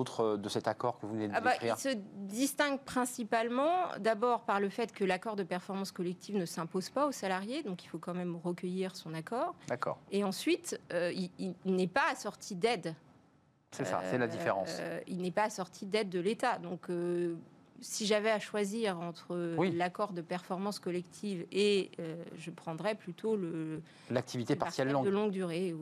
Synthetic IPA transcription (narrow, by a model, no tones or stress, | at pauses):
ot̪χəd̪əsɛt̪akɔʁkəvued̪abaiiʁsəd̪ist̪ɛ̃ɡpχɛ̃sipalmɑ̰̃d̪abɔʁpaʁləfɛt̪kəlakɔʁd̪əpɛʁfɔʁmɑ̃skɔlɛk̚t̪ʰivnəsɛ̃pozpaosalaʁjed̪ɔ̃kilfokɑ̃mɛmʁəkəjiʁsɔ̃nakɔːʁd̪akɔ̰ːʁeɑ̃sɥit̪øiinɛpaːsɔʁt̪ʰid̪ɛd̪ | sɛsa̰sɛlad̪ifḛʁɑ̰̃silnɛpaːsɔʁt̪ʰid̪ɛd̪ːəlet̪ad̪ɔ̃kø | siʒavɛaʃwaziʁɑ̃t̪χəwilakɔʁd̪əpɛʁfɔʁmɑ̃skɔlɛkt̪ʰiveøʒəpχɑ̃d̪ʁɛplyt̪ʰolə | lak̚t̪ʰivit̪epaʁsjɛld̪əlɔ̃ɡd̪yʁe